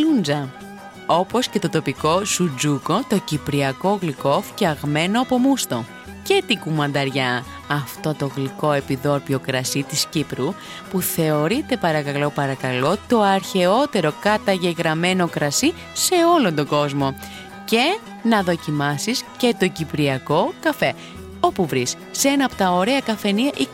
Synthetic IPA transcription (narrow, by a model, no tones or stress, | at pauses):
und͡zɐ | o̞po̞sce̞t̪o̞t̪o̞piko̞sud͡zuko̞t̪o̞cipɾiɐko̞ɣliko̞fceɐɣme̞noɐpo̞must̪o̞ | ce̞t̪ikumɐnd̪ɐɾʝɐ | ɐft̪o̞t̪o̞ɣliko̞e̞piðo̞ɾpio̞kɾɐsit̪iscipɾu | puθe̞o̞ɾit̪e̞pɐɾɐkɐlo̞pɐɾɐkɐlo̞t̪o̞ɐɾçe̞o̞t̪e̞ɾo̞kɐt̪ɐʝe̞ɣɾɐme̞no̞kɾɐsi | se̞o̞lo̞nd̪o̞ɡo̞zmo̞ | ce̞ | nɐðo̞cimɐsisce̞t̪o̞cipɾiɐko̞kɐfe̞ | o̞puvɾisːeenɐpot̪ɐo̞ɾe̞ɐkɐfeniɐʔi